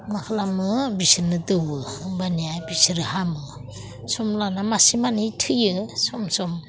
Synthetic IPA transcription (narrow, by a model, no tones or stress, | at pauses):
makʰalamɯbisiɾnɯdɯwɯbanijabisiɾɯhamɯ | sɔmlanamasimanitʰɯjɯsɔmsɔm